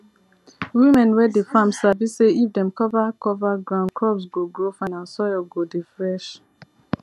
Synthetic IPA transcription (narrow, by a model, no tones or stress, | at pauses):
wimɛ̃nwɛdefãmsaviseifdɛ̃mkɔvakɔvaɡɹãʊ̃ndkʰɹɔbsɡoɡɹofãnãnsɔjɔɡodifɹɛʃ